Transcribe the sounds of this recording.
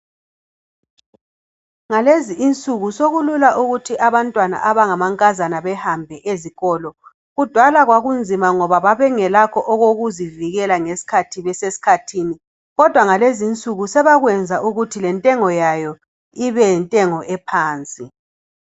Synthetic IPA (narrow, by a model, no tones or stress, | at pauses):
ŋaleziːnt͡sʼuɣusoɣululaʔuɣutʰiʔaβantʼwana̰ʔaβaŋamaŋkʼazanaβɛhambʱɛʔeziɣɔlɔ | ɣud̥ʱwalaɣwaɣund͡zʱimaŋɔβaβaβɛŋɛlakʰɔʔɔɣoɣuziviɣɛlaŋesi̥kʰatʰiβɛsesi̥kʰatʰiːni | ɣɔd̥ʱwaŋalezint͡sʼuɣusɛβaɣwɛnd͡zʱaʔuɣutʰilɛntʼɛŋɔjajɔ | iβɛjɛntʼɛŋɔʔɛpʰaːnt͡sʼi